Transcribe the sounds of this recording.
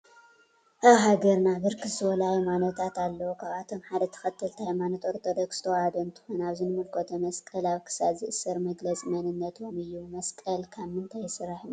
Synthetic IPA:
ʔaβɦaɡɐɾnabɨɾkɨzɨt̪ʰɨwɔlajumanɐt̪ʰat̪alːɐwukʰaβat̪ʰo̞mħad̪ɐt̪ʰɐ̥xɐt̪ʰːɨlt̪ʰajmanot̪ʼoɾt̪ʰod̪ɐkst̪ʰɐwhad̪ɐɨnt̪ʰɨ̥xonaβzɨnɨmɨlkʰot̪ʰɐmɐskʼɐlaβkʰɨ̥saβzɨʔɨsɨɾmɐɡlɐt͡sʼmɐnɨnːɐt̪ʰomɨjːumɐskʼɐlkʰamɨnt̪ʰajsɨraħɨn

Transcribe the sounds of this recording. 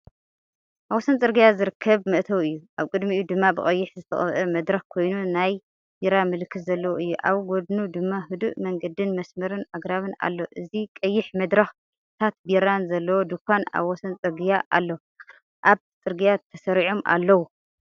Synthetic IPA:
ʔaβwɔsɐnt͡sʼɨɾɡɨjazɨɾɨkʰːɐβmɨʔt̪ʰɐwɨjːuʔaβkʼɨd̪miud̪ɨmːabɨχʼɐjːɪħzɨt̪ʰɐχʼɐβʔɐmɐd̪ɾɐxkʰo̞jnunaj | biɾamɨlkʰːɨt̪zɐlːɐwoʔɨjːuʔa̰βɡod̪nud̪ɨmːaɦɨd̪ṵʔmɐŋɡɐd̪ɨnmɐsmɐɾɨnaɡɾaβɨna̰lːoʔɨzikʼɐjːɪħmɐd̪ɾɐx | t̪ʰat̪̚biɾanzɐlːɐwod̪ukʷʰːana̰βwɔsɐnt͡sʼɨɾɡijaʔa̰lːo | ʔaβ | t͡sʼɨɾɡɨjat̪ʰɐsɐɾiʕomʔa̰lːɐwu

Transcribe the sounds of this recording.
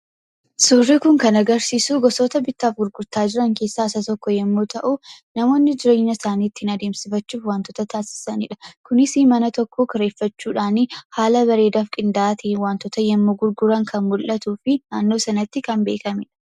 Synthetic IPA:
suːrːɪkʊŋkɐnɐɡɐɾsiːsuːɡɔsoːt̪ɐbɪt̪ːaːfɡʊɾɡʊɾt̪aːd͡ʒɪɾɐŋke̞ːsːaːɪsɐt̪ɔkːɔjɛmːoːt̪ɐʔunɐmo̞ːnːɪd͡ʒɪɾojɪnɐsaːniːt̪ːɪhɪnɐd̪e̞ːmsɪfɐt͡ʃːuːfwaːnt̪ɔt̪ɐt̪aːsɪ̥sɐnɪᶑɐ̥kʊnɪsɪmɐnɐt̪ɔkʰːokɐɾe̞ːfːɐt͡ʃːuːᶑaːnɪhaːlɐβɐɾe̞ːd̪aːfkʼɪnd̪aːt̪ɪwaːnt̪ɔt̪ɐjɛmːoːɡʊɾɡʊɾɐŋkʰɐnmʊlʔɐt̪uːfɪnaːnːo̞ːsɐnɐt̪ːɪkɐnbe̞̰ːkɐmɪᶑɐ̥

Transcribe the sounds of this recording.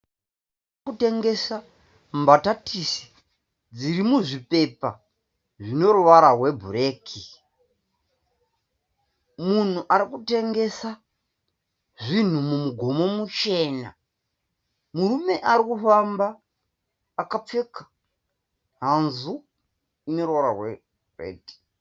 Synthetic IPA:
kute̞ŋɡe̞sa | mbatatʰisi̥ | d͡ziɾimuʐipe̞pa̰ | ʐino̞ruʋaɾaɦwe̞bʱuɾe̞ːkʰi | mun̤uʔaɾikute̞ŋɡe̞sa | ʐin̤umumuɡʱo̞mo̞mut͡ʃe̞ːna̰ | murume̞ʔaɾikufambaː | kap͡fe̞kḁ | ɦanzu | inoɾuwaɾawe | urḛːti̥

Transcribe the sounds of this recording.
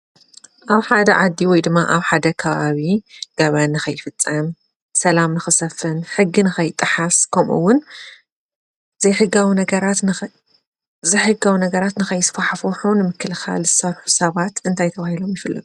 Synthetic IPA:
ʔaβħad̪ɐ̰ʕad̪ːiwɔjd̪ɨmːaʔaβħad̪ɐkʰɐβaβiɡ̥ɐβanːɨxɐjːɪfɨt͡sʼːɐm | sɐlamnɨxɨsɐfɨnħɨɡːinɨxɐjɪt̪ʼːɨħaskʰɐmʔṵwːʊn | zɐjħɨɡawinɐɡɐɾat̪ | zɐjħɨɡawinɐɡɐɾat̪nɨxɐjɪsfaħfoħunɨmɨkːɨlxa̰lzɨsɐɾħu̥sɐβat̪ɨnt̪ʰajt̪ʰɐβahilo̞mjɪfɨlːɐ̰ɡ̪u

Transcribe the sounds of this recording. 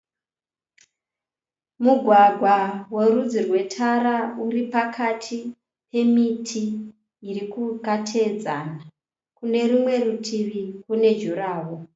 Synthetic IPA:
muɡʱwaɡʱwawoɾud͡zirwe̞tʰaɾauripakʰatʰi | pʰe̞mitʰiː | rikukatʰed͡zana | kune̞ɾumwe̞rutʰiʋikune̞d͡ʒuɾaːwo

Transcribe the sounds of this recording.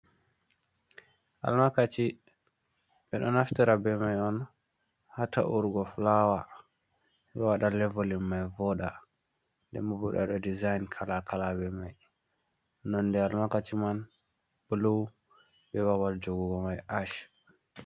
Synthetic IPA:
ʔa̰lmakat͡ʃi | ɓɛɗɔnaftiɾabɛmajɔn | hata̰ʔuɾɡɔflawa | ɓɛwaɗalɛvolimːajvɔɗa | ndɛ̰mubuɗa̰ɗɔdizajnkʰalakalabɛmaj | nɔndɛalmakat͡ʃiman | b̥ulow | bɛβawald͡ʒoɡuɡɔmajʔaʃ

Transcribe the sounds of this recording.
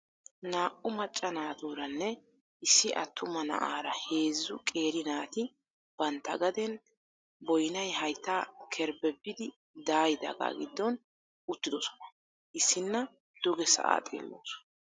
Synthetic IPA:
naːʔʊmɐt͡ʃʼːɐnaːt̪uːɾɐnːɛ | ʔɪsːɪʔɐt̪ʰːʊmɐnɐ̰ʔaːɾɐhe̞ːzːʊkʼe̞ːɾɪnaːt̪ɪ | b̥ɐnt̪ːɐɡɐd̪ɛn | bɔjnɐjɦɐjt̪ːaːkʰɛɾbɛbːɪd̪ɪ | d̪aːjɪd̪ɐ̰ɡa̰ːɡɪd̪ːɔn | ʊt̪ːɪd̪ɔsɔ̥nɐ̥ | ʔɪsːɪnːɐ | d̪̥ʊɡɛsɐ̰ʔa̰ːt̪ʼḛːlːo̰ːs

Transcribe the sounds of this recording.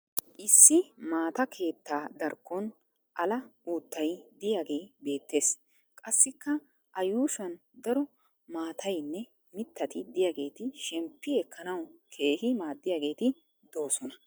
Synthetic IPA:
ʔɪsːɪmaːt̪ɐkʰe̞ːt̪ːaːd̪ɐɾkːɔn | ʔɐlɐuːt̪ːɐjd̪ɪjaːɡe̞jbe̞ːt̪ːe̞ːs | kʼɐsːɪkːɐ | ʔɐjuːʃɐn | d̪ɐɾɔ | maːt̪ʰɐjnːɛ | mɪt̪ːɐt̪ɪd̪ɪjaːɡe̞ːt̪ɪʃɛmpːɪɛkʰːɐnɐwkʰe̞ːhɪmaːd̪ːɪjaːɡe̞ːt̪ɪ | d̪o̞ːsɔnɐ

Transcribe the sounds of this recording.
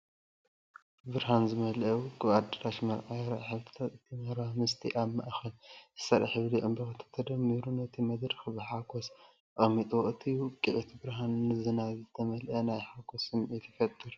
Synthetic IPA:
bɨɾɦanzɨmɐlɐwkʼɨβad̪ɨɾaʃmɐlʕajɾɐʕħɨβɾɨt̪ʰat̪ɨt̪ʰimɐɾamɨst̪ʰiʔaβmaʔxɐlzɨ̥sɐɾḭħɨβliʔɨmbɐxt̪ʰːɐ̥t̪ʰɐd̪ɐmːiɾunɐt̪ʰimɐd̪ɾxɨbɨħakʰos | ʔʼɐmːit̪ʼoʔɨt̪ʰiwkʼiʕut̪ʰbɨɾɦanːɨzɨnazɨt̪ʰɐmɐlʔɐnajħakʰosɨmɛt̪ʰɐ̥fɐt̪ʼːɨɾ

